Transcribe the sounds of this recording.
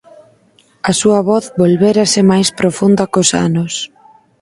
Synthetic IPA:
ɐsuɐβɔθbolβɛɾɐsɪmajspɾofund̪ɐkosa̰nʊs

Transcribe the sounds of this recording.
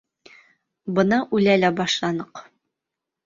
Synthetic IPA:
bɤ̆nɑʔʉlælæbɑʃlˠɑnɤq

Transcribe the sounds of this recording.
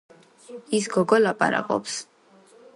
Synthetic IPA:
isɡɔɡɔlapʼa̰ɾa̰kʼɔ̰ps

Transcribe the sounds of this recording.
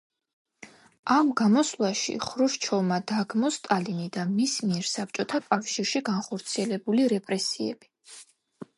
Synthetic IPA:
amɡamɔslˠaʃḭχɾuʃt͡ʃʰɔmad̪aɡmɔst̪ʼalinid̪amismiɛɾsap̚t͡ʃʼɔt̪ʰakʼafʃiɾʃiɡanχɔɾt̪sʰiɛlɛbuliɾɛpʼɾɛsiɛb̥i

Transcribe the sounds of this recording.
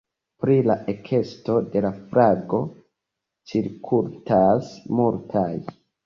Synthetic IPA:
pɾilaʔekʰe̞sto̞de̞lafɾaɡo̞ | t͡ʃiɾkʰultasmultʰaj

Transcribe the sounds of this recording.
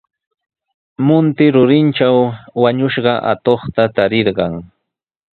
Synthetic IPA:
mʊnt̪ɪɾʊɾɪnt͡ʃawːaɲʊʃɢɑʔa̰t̪oχt̪at̪aɾɪɾɢɑŋ

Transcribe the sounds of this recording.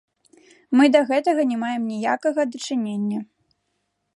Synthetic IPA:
mɨd̪ɐɣɛt̪ɐɣɐnʲɛmajɛmnʲijakɐɣɐd̪ɐt͡ʂɨnʲenʲːɐ

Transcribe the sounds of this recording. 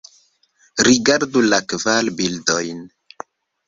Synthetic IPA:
ɾiɡaɾdulakvalbildojn

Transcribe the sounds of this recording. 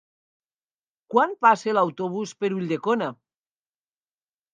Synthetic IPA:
kwanpaselawt̪oβ̞uspeɾuʎʲd̪ekona

